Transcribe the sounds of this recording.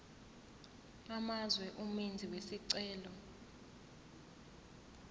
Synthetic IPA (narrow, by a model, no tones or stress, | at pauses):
amazwɛʔumind͡zʱiwesiǀɛːlɔ